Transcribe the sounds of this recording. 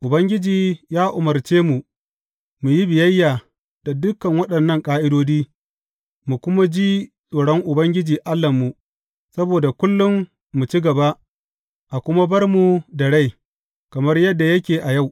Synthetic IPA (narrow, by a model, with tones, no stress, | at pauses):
ʔʊ˨bɐ˦ŋɡʲɪ˦d͡ʒiː˨jaː˦ʔʊ˨mɐ˨rt͡ʃeː˦mu˨ | mu˨ji˦bɪ˨jɐ˦jːaː˨ | d̥a˨dʊ˦kːɐ˨ŋwɐ˦ɗɐ˨nːɐ˦ŋkʼaː˦ʔɪ˦doː˦diː˦ | mu˨kʷʊ˦ma˦d͡ʒi˦sʼoː˨ɽɔ˦ŋʔʊ˨bɐ˦ŋɡʲɪ˦d͡ʒiː˨ʔa˦lːɐ˨mːu˨ | sɐ˦boː˨da˨kʷʊ˦lːʊ˦mː | u˨t͡ʃi˦ɡɐ˨ba˦ʔ | ʔa˨kʷʊ˦ma˦bɐ˦rmu˨dɐ˨ɽa˦˨j | kɐ˨mɐ˦rjɐ˦dːa˨jɐ˦kʲeː˨ʔa˨ja˦˨w